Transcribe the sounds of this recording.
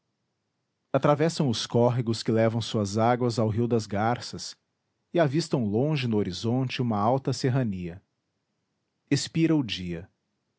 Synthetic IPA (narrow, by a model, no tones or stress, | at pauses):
at̪ɾavɛsɐ̃w̃ʊskɔɦiɡʊskɪlɛvɐ̃w̃suɐzaɡwɐzawɦiwd̪ɐzɡaɾsɐs | ɪavist̪ɐ̃w̃lõʒɪnʊoɾizõnt͡ʃɪũmɐawt̪ɐseɦɐniɐ | espiɾɐʊd͡ʒiɐ